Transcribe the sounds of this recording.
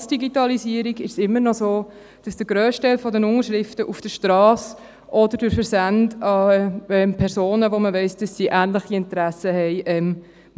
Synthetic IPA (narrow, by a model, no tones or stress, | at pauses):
sd̥iɡitɑliziːəɾiɡɪʃsɪmːəɾnɔzoː | d̥ɑsd̥əɾɡ̥ɾøːstɛɪlfɔdənʊŋəɾʃɾɪftəʔufd̥əʃtɾɑːs | ʔɔdəɾdʊɾfəɾsændɑɛmpʰɛɾsoːnəʋoməvɛɪsd̥ɑsːiːʔæːnləχiɪntɾæsəhɛɪʔɛm